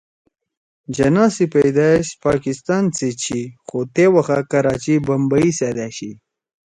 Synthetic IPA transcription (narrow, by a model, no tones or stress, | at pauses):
d͡ʒɐnɑːsipejd̪aʃpɑːkist̪ɑːnt͡set͡ɕʰixot̪ewɐxakɐɾɑːt͡ɕibɐmbaised̪aɕi